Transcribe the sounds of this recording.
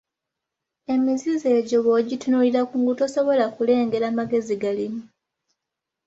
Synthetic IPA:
e̞mizize̞ːɟo̞βoɟitunuːliɾakuŋɡutoso̞βo̞lakule̞ːŋɡe̞ɾamaɡe̞ziɡalimu

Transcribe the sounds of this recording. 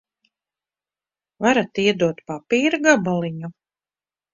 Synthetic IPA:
vaɾat̪iɛd̪uɔt̪papiːɾɡabalˠiɲu

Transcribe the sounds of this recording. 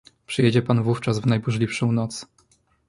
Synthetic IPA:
pʂɘjɛd͡ʑɛpanvuft͡ʂasvnajbuʐlʲifʂɔ̃w̃nɔt̪s

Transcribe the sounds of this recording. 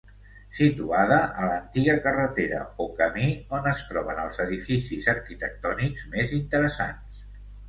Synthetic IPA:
sit̪uaðəʔələnt̪iɣəkərət̪eɾə̰okəmionəst̪ɾɔβ̞ənəlˠzəðifisizəɾkit̪ək̚t̪ɔnikzmezint̪əɾəsa̰ns

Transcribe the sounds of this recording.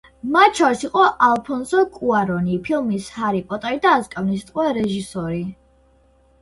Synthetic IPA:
mat͡ʃʰɔɾsiqʼɔʔalˠpʰɔnsɔkʼuaɾɔnipʰilˠmishaɾipʼɔt̪ʼaid̪aːskʼavnist̪ʼqʼwɛɾɛʒisɔɾi

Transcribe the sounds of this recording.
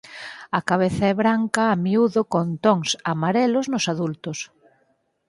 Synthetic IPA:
akaβ̞eθaɛβɾaŋkɐːmiuðʊkont̪oŋsamaɾɛlʊznʊsaðult̪ʊs

